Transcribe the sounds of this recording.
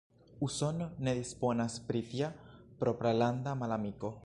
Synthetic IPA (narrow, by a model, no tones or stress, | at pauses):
usonːeðisponaspɾit̪japɾopɾaland̪amalamiko